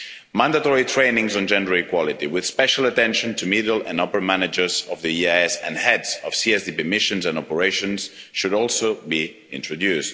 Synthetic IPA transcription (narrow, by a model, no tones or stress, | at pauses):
mãndatɔɹitʰɹẽɪnɪ̃ŋzɔ̃n̩d͡ʒɛ̃ndə˞ikwɔlˠitiwɪð̥spɛʃalətɛ̃nʃə̃ntʰumidl̩ˠãnɔpə˞mænɪd͡ʒə˞zʌvðiiaɛsɨ̃nhɛdzɔv̥siɛsdipimɪʃə̃nzæ̃nɔpəɹeɪʃɔ̃nz̥ʃɨɾɔlˠsobi | ɪ̰̃ntɹ̥ɔdjʉst